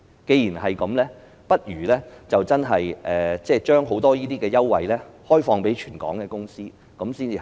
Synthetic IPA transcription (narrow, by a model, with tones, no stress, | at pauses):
ke˨˧jiː˨˩nɦɐ˨jkɐ˨˥mlɛː˥ | pɐ˥t̚jyː˨˩lɛː˥t͡sɐ˨wt͡sɐ˥nɦɐ˨jʔɛː˨t͡sɛː˥˩t͡ʃœː˥ŋɦo˨˥wt̪ɔː˥jiː˥t̪iː˥kɛː˧jɐ˥wːɐ̰˨jlɛː˥hɔː˥jfɔː˧ŋpe˨˥jt͡ʃʰyː˨˩nkɔ̰ː˨˥ŋkɛː˧kʊ˥ŋsiː˥ | kɐ˨˥msiː˥nt͡siː˧